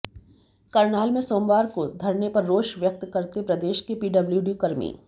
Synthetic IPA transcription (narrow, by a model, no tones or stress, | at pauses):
kɐɾnaːlmẽsoːmʋaːɾkod̪ʱɐɾnepɐɾːoːʃʋjɐk̚t̪kɐɾt̪epɾɐd̪eːʃkepiːɖɐbljuɖjukɐɾmḭː